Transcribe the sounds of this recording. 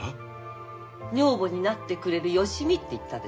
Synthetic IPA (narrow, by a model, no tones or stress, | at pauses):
ɲ̟o̞ːbo̞ɲ̟inat̪ːe̞kɯ̟ɾe̞ɾɯ̟jo̞ɕimʲit̪ːeit̪ːad̪e